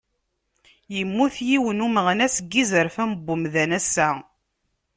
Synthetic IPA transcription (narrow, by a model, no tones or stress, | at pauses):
jəmːuθjiwənuməʁnæsəɡːizəɾfæmbːʊmðænæsːæ